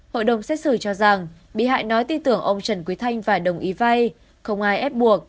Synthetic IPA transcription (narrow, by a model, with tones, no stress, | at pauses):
ho̰˧˨jɗə˨˩wŋ͡msɛ˦˥t̚sɨ˧˩t͡ɕɔ˧za˨˩ŋ | ɓḭ˧˨ɦa̰ː˧˨jnɔ˨˦jt̪i˧t̪ɨ˧˩əŋʔə˧wŋ͡mt͡ɕə˨˩nkwi˨˦t̪ʰa˧jŋ̟vaː˨˩ɗə˨˩wŋ͡mʔi˨˦va˧j | xə˧wŋ͡mʔaː˧jʔɛ˦˥p̚ɓu˨˩ək̚